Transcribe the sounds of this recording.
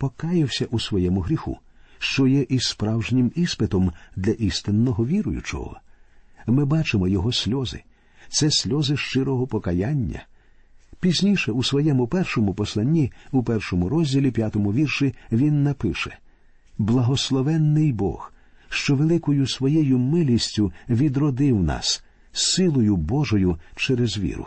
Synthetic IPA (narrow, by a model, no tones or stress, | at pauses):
pɔkɑjɪwsʲɐʔusʋɔjɛmʊɦɾʲixṵʃt͡ʃɔjɛʔispɾɑwʒnʲɪmispɪt̪ɔmd̪lʲɐʔist̪ɪnːɔɦɔʋʲiɾʊjʊ̰t͡ʃɔ̰ɦɔ̰ | mɪbɑt͡ʃɪmɔjɔɦɔsʲlʲɔzɪ̰ | t̪sɛsʲlʲɔzɪʃt͡ʃɪɾɔɦɔpɔkɐjanʲːɐ̰ | pʲizʲnʲiʃɛusʋɔjɛmʊpɛrʃɔmʊpɔslˠɐnʲːiupɛrʃɔmʊɾɔzʲdʲilʲipʲjat̪ɔmʊʋʲirʃiʋʲinːɐpɪʃɛ | blˠɐɦɔslˠɔʋɛnːɪjbɔ̰xʃt͡ʃɔʋelˠɪkɔjʊsʋɔjɛjʊmɪlʲisʲtʲʊʋʲid̪ɾɔd̪ɪwnɑ̰sː | ɪlˠɔjʊbɔʒɔjʊt͡ʃɛɾezʋʲḭɾʊ̰